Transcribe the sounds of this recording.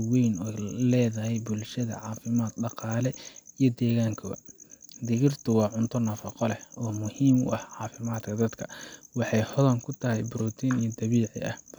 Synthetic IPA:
wɛjnɔlɛːðɐɦɛjbʊlʃɐðɐ̰ʕɑːfɪmaːt̪ɖɑqɑːlɛijɞd̪ɛːɣaːŋkʰɔ̰ | d̪ɪɣɪrt̪ʰʊwɑːʕʊnt̪ʰɔnɐfɑqɔlɛɔːmʊhiːmʊ̰ʔɐhʕɑːfɪmaːd̪kʰɐd̪ɐd̪kʰɐwɑħɑjhɔðɐŋkʰʊt̪ʰɐɦɛjbɾɔt̪ʰinijɔd̪ɐβiːʕɪ̰ɐ̰h

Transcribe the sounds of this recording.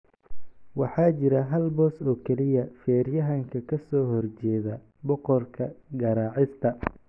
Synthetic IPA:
wɑħɑːt͡ʃɪɾɐɦɐlbɔːsɔːkʰɛlɪjɐfɛːrjɐɦɐŋkʰɐkʰɐsɔːɦɔrt͡ʃɛːðɐ | bɔqɔrkʰɐɡɐɾaːʕɪst̪ʰɐ

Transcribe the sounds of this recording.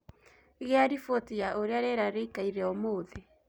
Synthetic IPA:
iɣeaɾifotiaʔoɾeaɾeɾaɾeikaiɾɛomoːðe

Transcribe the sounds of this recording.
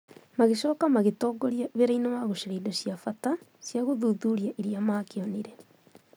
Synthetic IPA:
maɣeʃɔːkamaɣetɔːɡɔɾijaβeɾainawaɣoʃeɾeidosjafata | sjaɣoðuðuɾiaʔeɾiamaːkeɔniɾɛ

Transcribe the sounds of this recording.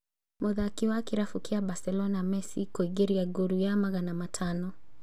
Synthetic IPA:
mʔɔðaːkiwakiɾafukiabasɛlɔnamɛsikɔiɡeɾiaɡuɾujamaɣanamatʰanɔ

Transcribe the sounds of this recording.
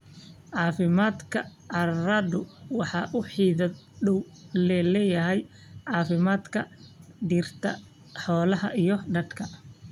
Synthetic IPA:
ʕɑːfɪmaːd̪kʰɐ̰ | ɐraːd̪ʊwɑħɑːʔʊħiːðɐd̪ | ɖɔw | lɛlɛːjɐɦɛj | ʕɑːfɪmaːd̪kʰɐd̪irt̪ʰɐ̰ | ħɔːlɐhɐʔijɞɖɐd̪kʰɐ

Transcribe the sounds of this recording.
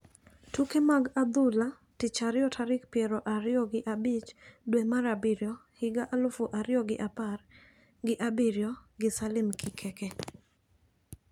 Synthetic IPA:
tukemaɡad̪ʊla | tɪt͡ʃaɾɪjɔtʰaɾɪk̚pjɛɾɔʔaɾɪɔɡɪʔabɪt͡ʃdwemaɾabiɾjɔhɪɡaʔalʊfuʔaɾɪjɔɡɪʔapar | ɡɪʔabiɾjɔɡɪsalɪmkʰikʰɛkɛ

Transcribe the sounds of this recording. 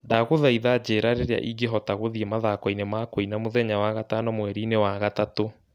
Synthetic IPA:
daɣoðaiðad͡ʑeːɾaɾeɾea̰ʔiɡeɦɔtaɣoðiemaðakɔinemakoinamoðɛɲawaɣatanɔmwɛɾinewaɣatato

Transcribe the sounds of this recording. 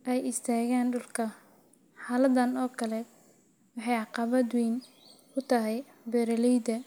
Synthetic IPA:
ʔɛjɪst̪ʰaːɣaːnɖʊlkʰɐ | ħɑːlɐd̪ɐnɔːkʰɐlɛ | wɑħɑjʕɑqɑβɐd̪wiːn | kʰʊt̪ʰɐɦɛj | bɛɾɐlɛjd̪ɐ

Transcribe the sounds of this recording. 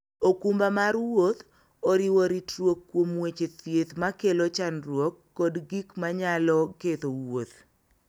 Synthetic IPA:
okumbamaɾwot̪ | oɾɪwoɾitɾwokːwomwet͡ʃet̪jet̪makelot͡ʃanrwokːɔdɡikmaɲalɔket̪owot̪

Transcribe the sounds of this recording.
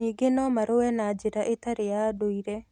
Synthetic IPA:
iːɡenɔmaɾowɛnad͡ʒeɾaʔetaɾejadoiɾɛ

